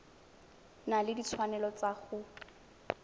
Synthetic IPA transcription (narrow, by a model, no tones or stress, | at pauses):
nalɪdit͡sʰwanɛlɔt͡saχʊ